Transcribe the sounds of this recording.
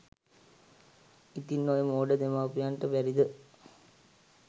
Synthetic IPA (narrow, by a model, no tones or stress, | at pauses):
it̪inːoːjəmoːɖəd̪emaːpijaːnʈəpɛɾid̪ə